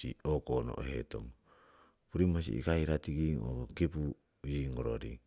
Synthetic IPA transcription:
iokono̰ʔhḛto̰ŋ | puɾimos̬ḭʔḭkaiɾatiɡiŋo̰kokepu | jiŋɡoɾo̰ɾḭŋ

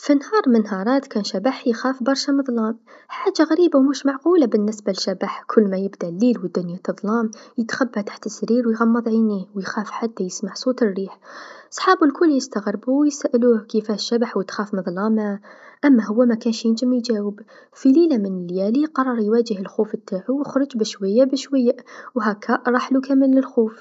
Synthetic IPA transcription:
finhɑːɾˤmənɦɑɾˤɑːt̪kænʃabaħjxæfbɑɾˤʃamɨðˤlɑːmħaːd͡ʒʒːaɣæɾiːbawmuʃmaʕquːlabənːəsbaʃabaħkʰʊlːmæjəbd̪ælːilwəd̪ːʊnjat̪ɨðˤlɑmjət̪xabːaht̪ḁħt̪əsːɾiːɾwjɣɑmːɑðˤʕiniwjxæːfħat̪ːajəsmaʕsˤot̪ərːiːħsˤħɑːbulkʰʊlːjəst̪aɣɾbuwjsaːʔluːhkifæʃːabaħwət̪xæːfmɨðˤlɑmaʔæmːaɦʊwːamækæːnʃjənd͡ʒəmjd͡ʒæːwəb | fililamənəljæliqɑrˤːɑɾˤjwæd͡ʒəhəlxuːfət̪ʰːaʕuwəxɾˤʊd͡ʒbəʃwajːabəʃwajːawɦækːæʔɾˤɑːħlukæməlːəlxuːf

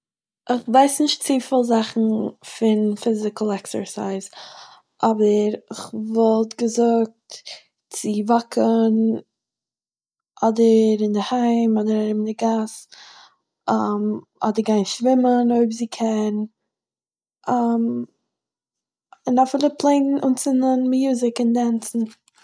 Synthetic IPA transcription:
ʔɪχvaɪsnɪʃtt͡sifɪlˠzaχn̩fɪnfɪzɪkl̩ˠɛksə̰ɹsaɪz | ʔɔbəɾɪχvɔlˠtɡəzʊk̚t | t͡sɪvakʰən | ʔɔdəɾɪndɪhaɪmɔdəɾɛɾɪbndɪɡas | am | ɔ̰dəɾɡaɪnʃvɪmənoɪbzɪkʰɛn | am | ɪnafɪːlˠəpʰlˠeɪnnʊnt͡sɪnənmjuːzɪkɪndant͡sn̩

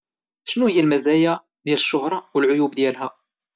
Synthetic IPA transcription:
ʃnujilmæzæjæ | ðjæləʃːʊhɾˤɑwəlʕʊjubd̪jælɦæ

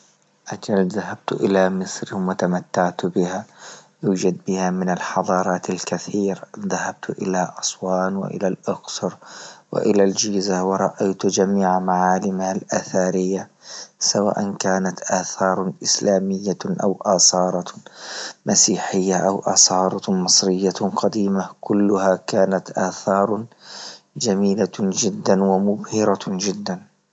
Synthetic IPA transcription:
ʔad͡ʒalðahab̚t̪ʔɪlamɪsɾɪwat̪amat̪ːaʕt̪bɪhajuːd͡ʒad̪̚bɪhamɪnalħɑðˤɑːɾˤɑːt̪alkaθiːɾðahab̥̚t̪ʔɪlaʔɑsˤwɑːnwɪ̰ʔɪ̰lalʔʊksʊɾwɪ̰ʔɪlald͡ʒiːzawɑɾˤɑʔajt̪d͡ʒamiːʕmaʕaːlɪmahalʔaːθaːɾɪjːasawa̰ːʔankaːnat̪ʔaːθɑːɾˤʔɪslaːmɪjːaʔa̰wʔaːsˤɑːɾˤɑ | masiːħɪjːaʔawʔɑːsˤɑːɾˤɑmɨsˤɾɪjːaqɑd̪iːmakʊlːʊhakaːnat̪ʔaːθɑːɾˤ | d͡ʒamiːlad͡ʒɪd̪ːanwamʊbhɪɾad͡ʒɪd̪ːan

